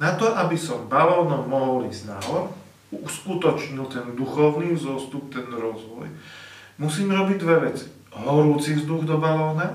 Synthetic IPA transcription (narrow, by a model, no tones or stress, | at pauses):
nat̪ɔʔabisɔmbalɔːnɔmɔɦɔlizna̰ɦɔɾ | uskut̪ɔt͡ʃɲilt̪ɛnd̪uxɔʊniːzɔst̪up̚t̪ɛnɾɔzʋɔ̰j | musiːmɾɔbiɟd̪ʋɛʋɛt͡si̥ | ɦɔɾuːt͡sizd̪uɣd̪ɔbalɔːna